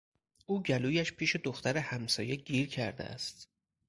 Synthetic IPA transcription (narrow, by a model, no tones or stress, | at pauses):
ʔuːɟæluːjæʃpʰiːʃe̞d̪oxt̪æɾehæmsɒ̰ːje̞ɟiːɾcʰæɾd̪ḛʔæ̰st̪